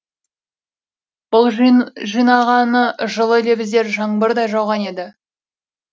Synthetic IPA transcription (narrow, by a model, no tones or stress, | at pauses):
b̥ʊlˠʒijnɑʁɑnəʒəlˠəle̞bɪzd̪e̞ɾʒɑɴbəɾd̪ɑjʒɑwʁɑne̞d̪ɪ